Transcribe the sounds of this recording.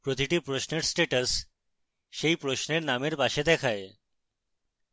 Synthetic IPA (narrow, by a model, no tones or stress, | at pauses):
pɾot̪iʈipɾosneɾsʈeʈəsː | ejpɾosneɾnameɾpaʃed̪ɛkʰae